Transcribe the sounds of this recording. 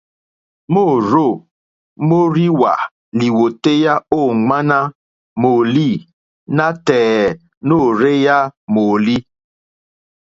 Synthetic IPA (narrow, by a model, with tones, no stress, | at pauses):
mo˦˨ɾo˦˨ | mo˦ɾi˦wa̰˨ | li˨wo˨te˦ja˦o˦˨ŋa˦na˦ | mo˨li˦˨ | na˦tɛː˨ | no˦˨ɾe˦ja˦mo˨li˦